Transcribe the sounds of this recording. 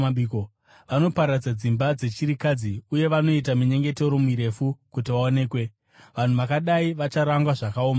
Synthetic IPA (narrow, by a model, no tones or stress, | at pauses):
iːko | ʋano̞paɾad͡zad͡zimbad͡ze̞t͡ʃiɾikad͡ziuje̞ʋano̞itamuɲe̞ŋɡe̞te̞ɾomiɾe̞fukutiʋaone̞ːkwe̞ | ʋan̤uʋakaɗaiʋat͡ʃaɾaŋɡwaʐakaoːma